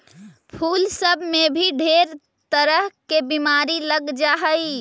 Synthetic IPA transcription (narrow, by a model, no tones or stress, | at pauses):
pʰuːlsəbʱmebʱiɖʱeɾ | t̪əɾəɦkebimaɾiləɡd͡ʒaɦəj